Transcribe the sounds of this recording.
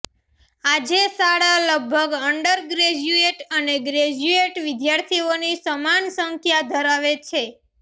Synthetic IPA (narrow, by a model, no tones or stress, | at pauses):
ad͡ʒesaɽaləɡ̚bʱəɡəɳɖəɾɡɾed͡ʒueʈəneɡɾed͡ʒueʈʋɪd̪jaɾt̪ʰionisəmansəŋkʰjad̪ʱəɾaʋet͡ʃʰe